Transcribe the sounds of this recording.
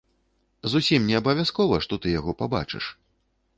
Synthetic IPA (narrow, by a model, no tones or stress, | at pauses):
zusʲimnʲɛɐbɐvʲaskɔvɐʂt̪ɔt̪ɨjaɣɔpaba̰t͡ʂɨ̰ʂ